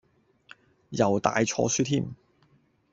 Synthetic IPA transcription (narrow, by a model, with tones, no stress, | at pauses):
jɐ˨˩wt̪a̰ː˨jt͡ʃʰɔ̰ː˧syː˥t̪ʰiː˥˩m